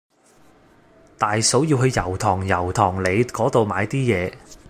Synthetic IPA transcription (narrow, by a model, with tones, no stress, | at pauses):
t̪aː˨jso˨˥wjiː˧wɦɵ˧ɥjɐ˨˩wt̪ʰɔː˨˩ŋjɐ˨˩wt̪ʰɔː˨˩ŋle˨˧jkɔː˨˥t̪o˨wmaː˨˧jt̪iː˥jɛː˨˧